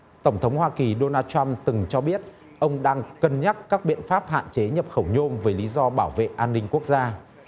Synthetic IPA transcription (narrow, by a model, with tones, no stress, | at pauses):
t̪ə˧˩wŋ͡mt̪ʰə˨˦wŋ͡mhwaː˧ki˨˩ɗo˧naː˧nt͡ɕa˧mt̪ɨ˨˩ŋt͡ɕɔ˧ɓi˦˥ət̚ | ʔə˧wŋ͡mɗaː˧ŋkə˧˩nɲa˦˥t̚kaː˦˥k̚ɓḭ˧˨ənfaː˦˥p̚ha̰ː˧˨nt͡ɕe˨˦ɲə˨˩p̚xə˧˩wɲo˧mvəː˨˦jli˨˦zɔ˧ɓaː˧˩wvḛ˧˨ʔaː˧nːï˧ŋ̟ku˦˥ək̚zaː˧